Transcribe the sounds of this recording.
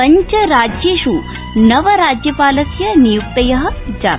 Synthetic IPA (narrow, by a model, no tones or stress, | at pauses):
ɐɲt͡ʃɐɾaːd͡ʑjeʃu | nɐʋɐɾaːd͡ʑjɐpaːlɐsjɐnijuk̚t̪ɐjɐɦɐ̆d͡ʒa̰ː